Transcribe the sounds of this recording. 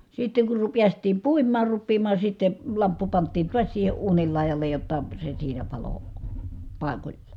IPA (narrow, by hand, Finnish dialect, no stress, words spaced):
sitːeŋ kur ru piæstˑiːm puimˑɑːr rupːiːmɑː sitːen̞ lɑmpːu pɑntˑiːn tuɑs siːhe uːnil lɑˑi̯jɑlˑej jotːɑ se siːnæ pɑlo pɑˑi̯kolʲlɑ̥